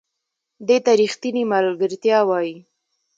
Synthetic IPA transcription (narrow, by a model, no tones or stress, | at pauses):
d̪et̪aɾixt̪inimalɡəɾt̪jɑwɑji